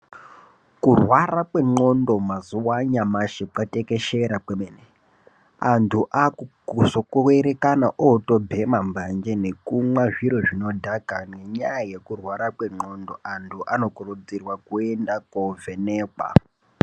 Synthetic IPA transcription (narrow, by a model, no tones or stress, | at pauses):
kurwarakwe̞ŋ͡ǃondo̞mazuwaɲamaʃekatekeʃeɾakwemene | antʰuʔakukusokueɾekanaʔoto̞bʱemambʱand͡ʒene̞kumwaʐiɾoʐino̞dʱakaneɲajaje̞kurwaɾakwe̞ŋ͡ǃo̞ndo̞ʔantʰuʔano̞kurud͡zirwakuendakoveneːkwa̰